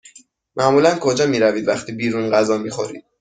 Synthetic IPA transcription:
mæʔmuːlænkʰod͡ʒɒːmiːɾæviːd̪væxt̪ʰiːbiːɾunɢæzɒːmiːxo̞ɾḭːd̪̥

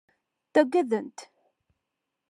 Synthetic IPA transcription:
θæɡʷæðənt̪

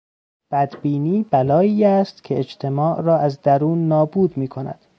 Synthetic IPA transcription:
b̥æd̪biːniːbælɒːiːæst̪cʰe̞ed͡ʒt̪ʰe̞mɒːʔrɒːæzd̪æɾuːnːɒːbuːd̪miːkʰonæ̰d̪̥

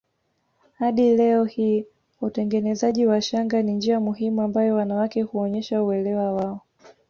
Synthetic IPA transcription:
haɗilɛɔhiː | utɛŋɡɛnɛzaʄiwaʃaŋɡanind͡ʒiamuɦimuambajɔwanawakɛhuɔɲɛʃauɛlɛwawaɔ

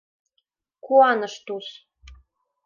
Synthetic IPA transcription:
kuɑnə̆ʃt̪us

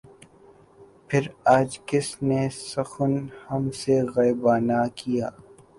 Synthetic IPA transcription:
pʰɪɾaːd͡ʒkɪsnesɐxʊnhɐmseɣɐɪbaːnakijaː

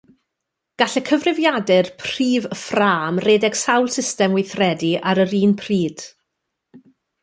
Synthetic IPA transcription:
ɡ̥aɬɛkʰəvrɪvjadɛrpʰr̥iːvəfraːmreːdɛɡ̥sawlˠsɪstɛmwɪjθrɛdiʔaɾəɾiːnpʰr̥iːd̥

